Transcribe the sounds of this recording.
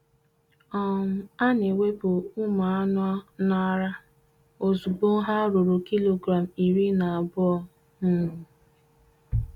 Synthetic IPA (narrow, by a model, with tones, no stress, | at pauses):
ɔ˦n̩˨a˦ne˨we˦bʊ˨ʊ˦ma˨a˦nɔ˦nɔ˦ɾa˦ | o˨zu˨bo˦ŋ̩˦ɦa˦ɾu˨ɾu˨ki˦lo˨ɡɾa˨m̩˨i˨ɾi˦na˨a˨bʊ˦ɔ˦ | m̩˦˨